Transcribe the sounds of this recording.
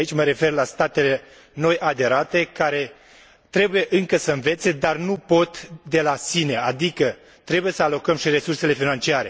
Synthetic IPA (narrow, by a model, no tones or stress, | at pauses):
it͡ʃʲməɾe̞fe̞rlast̪at̪e̞le̞ | no̞jʔad̪e̞ɾat̪e̞kaɾe̞ | t̪ɾe̞buje̞ʔɨŋkəsəɨnve̞t̪se̞d̪arnupo̞t̪d̪e̞lasine̞ad̪ikə | t̪ɾe̞buje̞səalo̞kəmʃire̞surse̞le̞finant͡ʃiaɾe̞̰